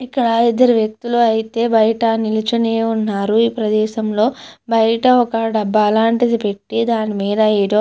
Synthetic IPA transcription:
ikːɐɽɐid̪ːɐɾuʋjek̚t̪uluɐjit̪e̞ːbɐjɐʈɐnilit͡ʃuneːunːaːɾuiːpɾɐd̪ɛːʃɐmlo̞ːbɐjɐʈɐɔkɐɖɐbːɐːlaːɳʈid̪ipe̞ʈːid̪aːnimiːd̪ɐed̪o

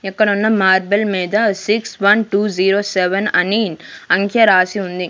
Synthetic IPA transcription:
ɛkːɐɽunːɐmaːɾbɐlmiːd̪ɐsiksʋɐnʈuːd͡ʒiːɾoːseʋɐnɐ̰ninɐŋkʰjɐɾaːsiund̪i

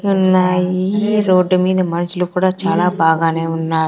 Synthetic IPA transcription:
unːaːjiɾo̞ːɖːumiːd̪ɐmɐnɐsulukuːɽaːt͡ʃaːlaːbaːɡaːne̞ːunːaː

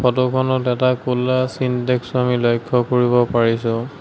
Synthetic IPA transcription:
pʰɔtɔkʰɔnɔtɛtakulːasintɛksamilɔjkʰːɔkoɹibɔpaɹisʊ̃

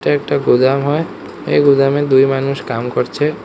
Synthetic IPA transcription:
ʈaɛk̚ʈaɡud̪amɦɔe | ḛɡud̪amed̪ujmanuʃkamkɔɾt͡ɕʰe

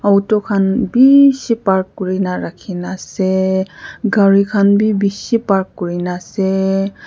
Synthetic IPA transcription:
awtɔkʰanbisipaɹkːɔɹinaɹakʰinasɛ | ɡaɹikʰanbibisipaɹkːɔɹinasɛ

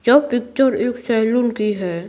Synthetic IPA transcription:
d͡ʒɐbpɪk̚t͡ʃəɾeːksɛlʊnkiɦɛ

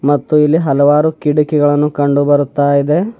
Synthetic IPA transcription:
mɐt̪ːuilːiɦɐlɐʋaːɾukiɽukiɡɐɭɐnːukɐɳɖubɐɾut̪ːaːjid̪e̞

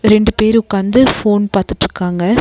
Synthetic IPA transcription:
ɾɛɳɖɯpeːɾʊkːaːnd̪ɯfoːnpaːɾt̪ɯʈːɪɾɯkːaːŋɡɐ

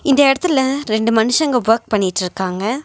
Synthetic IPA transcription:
ɪnd̪ɐɪɽɐt̪ːɪlɐɾɛɳɖɯmɐnɯʂɐŋɡɐʋɐɾk̚pɐɳːɪʈːɯɾɯkːaːŋɡɐ

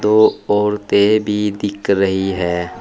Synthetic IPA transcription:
d̪oɔːɾt̪ebʱid̪ɪkʰɾəɦiɦɛː

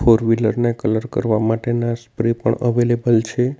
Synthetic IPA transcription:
fʰoɾʋiləɾnekələɾkə̰ɾʋamaʈenaspɾipə̰ɳəʋelebəlt͡ʃʰe

